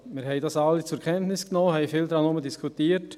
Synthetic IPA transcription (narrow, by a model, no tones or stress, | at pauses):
miːhɛɪd̥ɑsɑlːət͡suɛɾkʰɛntnɪsɡ̥nɔməhɛjfiːldɾɑnoməndiskʰutiːt